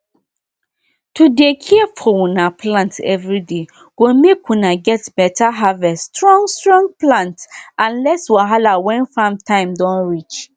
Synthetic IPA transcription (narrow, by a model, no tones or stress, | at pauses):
tʰudekʰifɔwũnapʰlãntɛ̰vɹide | ɡ̥omekwũnaɡɛtbɛtʰaɦavɛsstɹɔ̃ŋstɹɔ̃ŋ̚plãntãnlɛswaɦalawɛ̃nfãmtʰãɪ̃mdɔ̃nɹit͡ʃ